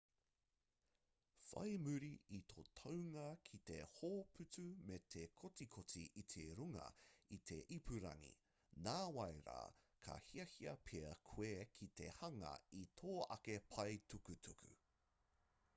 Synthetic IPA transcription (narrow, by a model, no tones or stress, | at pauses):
fɐ̰jmʉɾiit̪ʰot̪ʰɐwŋɐkʰit̪ehoːpʰʉt͡sʉmet̪ʰekʰot͡sikʰot͡siʔit̪ʰeɾuŋɐ̰it̪ʰe̞ʔipʰʉɾɐ̰ŋḭ | naːwɐjɾa̰ː | kʰɐ̰hiɐhiɐpʰeɐkʰwekʰit̪e̞hɐŋɐ̰it̪ʰoːɐ̰kepʰɐjtʰukʉtʰukʰʉ̰